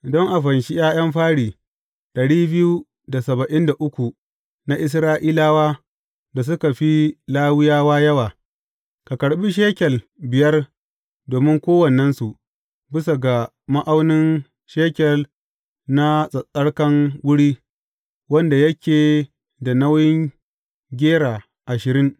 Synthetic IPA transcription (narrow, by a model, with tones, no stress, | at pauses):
ʔɪ˨dɔ˦ŋʔa˨ɸɐ˨nʃi˦jaː˦j̰ɐ˦mɸaː˦ɽiː˨ | d̥ɐ˨ɽiː˦bɪ˦ju˦ | da˨sɐ˨bɐ˨ʔɪ˦nda˨ʔʊ˦kʷu˨ | na˦ʔɪ˦s̬ɾaː˦ʔiː˦laː˦waː˦ | da˨s̬ʊ˦ka˨ɸi˦laː˦wɪ˦jaː˦waː˦jɐ˦waː˨ | ka˨kɐ˨ɽɓi˦ʃ̬eː˦kʲɛ˨l | bɪ˨jɐ˦r | doː˨mɪ˦ŋkʷoː˦wɐ˨nɐ˦nsu˨ʔ | bɪ˦sa˨ɡa˨ | ma˦ʔa˦wnɪ˦n | ʃeː˦kʲɛ˨l | na˦sʼɐ˨sʼɐ˦ɽkɐ˦ŋwʊ˦ɽiː˦ | wɐ˦nda˨jɐ˦kʲeː˨ | da˨na˦wjɪ˦ŋ | ɡʲeː˦ɽaː˨ | ʔa˨ʃɪ˨ɾɪ˦ŋ